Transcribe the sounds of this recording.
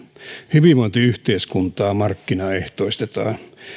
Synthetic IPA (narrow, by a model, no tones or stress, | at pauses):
hyʋimont̪iyht̪eˑiskunt̪ɑːmɑrkːinɑeht̪oˑist̪et̪ɑ̰ː